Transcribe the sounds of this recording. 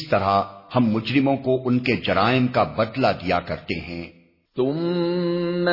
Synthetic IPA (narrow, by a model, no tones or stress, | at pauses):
st̪ɐɾahɐmːʊd͡ʒɾɪmõkoʔʊnked͡ʒɐɾaːɪmkabɐd̪lad̪ijakɐɾt̪eɦɛ̃ː | t̪ʊm | n